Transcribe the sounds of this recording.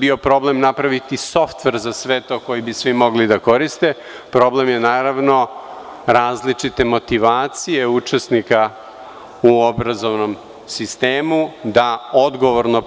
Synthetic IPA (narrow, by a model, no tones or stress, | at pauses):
bio̞pɾo̞ble̞mnapɾaʋit̪iso̞ft̪ʋe̞ɾzasʋe̞t̪o̞ko̞jibisʋimo̞ɡlid̪ako̞ɾist̪e | pɾo̞ble̞mjenaːɾaʋno̞ | ɾaːzlit͡ʂit̪e̞mo̞t̪iʋaːt̪sijeut͡ʂesnika | uobɾazo̞ʋno̞m | sist̪eːmud̪aod̪ɡo̞ʋoɾno̞